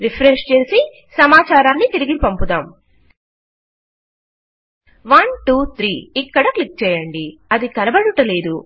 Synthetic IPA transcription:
ɾipʰɾeʂt͡ʃe̞ːsi | sɐmaːt͡ʃaːɾaːnːit̪iɾiɡipɐmpud̪aːm | ʋɐnʈuːt̪ʰɾiːkːɐɽɐklik̚t͡ʃɛːjɐɳɖiɐd̪ikɐnɐbɐɽuʈɐle̞ːd̪u

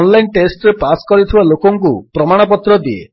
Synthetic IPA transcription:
nlajnʈesʈɾepaskɔɾit̪ʰibalokɔŋkupɾɔmaɽ̃ɔpɔt̪ɾɔd̪iḛ

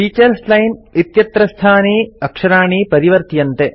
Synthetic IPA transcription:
ʈiːt͡ʃɐɾslɐjnit̪jɐt̪ɾɐst̪ʰaːniːɐkʂɐɾaːɳiːpɐɾiʋɐɾt̪jɐnt̪e

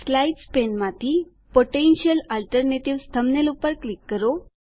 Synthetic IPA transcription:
slaiʈspenmat̪ʰiː | poʈenɕəlalʈəɾneʈiʋst̪ʰəmnelupəɾklikːəɾo

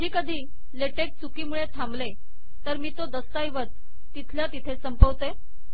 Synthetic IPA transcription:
d͡ʑiːkəd̪ʱiː | leʈeʈ̚t͡sukiːmuɭet̪ʰamble | t̪əɾmiːt̪od̪əst̪ajʋət͡s | t̪ːit̪ʰljat̪it̪ʰesəmpəʋt̪e

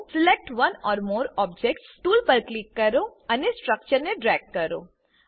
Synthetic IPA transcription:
sɪlek̚ʈʋɐnɔːɾmoːɾɔːb̚d͡ʒek̚ʈsʈuːlpɐɾklɪkːɐɾoɐnesʈɾɐk̚t͡ʃəɾnẽɖɾɛːɡ̚kɐɾo̰

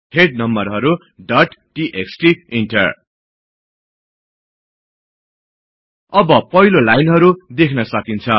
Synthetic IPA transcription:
heɖ̚nʌmbʌrɦʌɾu | ɖʌʈʈiʔeksʈiiɳʈʌr | ʌbʌpʌɦilolajnɦʌɾud̪ekʰnʌsʌkint͡sʰʌ

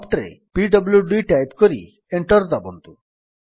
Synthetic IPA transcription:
ɔpʈɾḛpiɖɔbljuɖujʈajpkoɾḭ | eɳʈɔɾd̪abont̪u

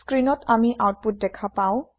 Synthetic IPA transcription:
skɹinɔtamiʔawt̚put̚dɛkʰapaʊ̃

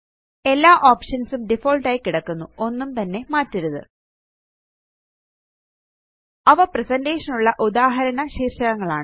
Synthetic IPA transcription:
e̞lːaːʔoːpʂɐnsumɖifo̞ːlʈaːjikːiɽɐkːunːuo̞nːumt̪ɐnːe̞maːtːiɾuðɨ̰ | ɐʋɐpresɐndeːʂɐnuɭːɐʔud̪aːɦɐɾɐnɐɕiːrɕɐɣɐŋːɐɭaːɳɨ

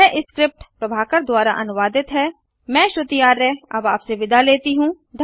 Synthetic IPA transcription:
ɛʔɪskɾɪp̚ʈpɾɐbʱaːkəɾd̪waːɾaʔɐ̰nʊʋaːd̪ɪt̪ɦɛː | mɛ̃ːʃʊt̪ijaːɾːɛɐ̰baːpseʋɪd̪ʱaleːt̪iɦũː | d̪ʱ

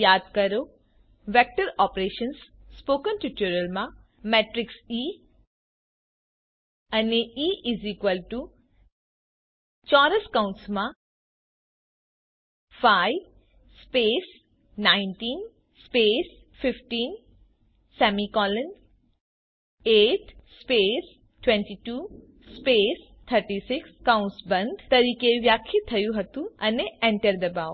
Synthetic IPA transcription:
jaːd̪̚kɐɾo | ʋek̚ʈɐɾɔːpɾeːʃɐnsːpoːkənʈuʈuɾɐlma | mɛːʈɾɪksiː | ɐniiːiziːkʋəlʈu | t͡ʃaːɾɐskaw̃ɳʈsmã | fʰaj | speːs | naːɪnʈiːn | speːs | fɪfʈiːn | sɛːmikɔːlən | eːʈspeːs | ʈwẽɳʈiʈu | speːs | t̪ʰəɾʈisɪkskãʊ̃ɳʈsbɐ̃nd̪t̪ɐɾiːkeʋjaːkʰːit̪ʰɐjuɦɐt̪uɐneɛ̃ɳʈəɾd̪ɐbaːw

